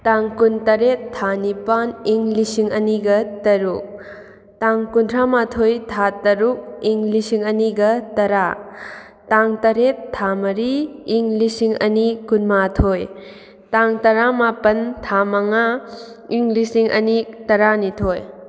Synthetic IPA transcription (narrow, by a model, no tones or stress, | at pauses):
taŋkuntɐɾetʰːanipaniŋlisiŋɐniɡɐtɐɾuk̚ | taŋkuntʰɾamatʰojtʰatɐɾuk̚iŋlisiŋɐniɡɐtɐɾa | taŋtɐɾetʰːamɐɾiiŋlisiŋɐ̰nikunmatʰoj | taŋtɐɾamapɐntʰamɐŋa | iŋlisiŋʔɐ̰nitɐɾanitʰoj